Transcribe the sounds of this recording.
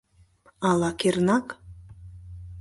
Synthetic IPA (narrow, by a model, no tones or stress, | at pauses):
ɑlˠɑkernak